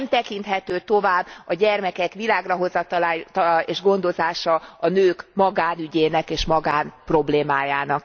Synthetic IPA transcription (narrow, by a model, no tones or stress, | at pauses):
mt̪ɛkint̪hɛt̪øːt̪o̞vaːbːɒɟɛrmɛkɛkʋilaːɡrɒɦo̞zɒt̪ɒlaːeːʒɡo̞nd̪o̞zaːʃɒɒnøːkmɒɡaːnyɟeːnɛkeːʃmɒɡaːnpro̞bleːmaːjaːnɒk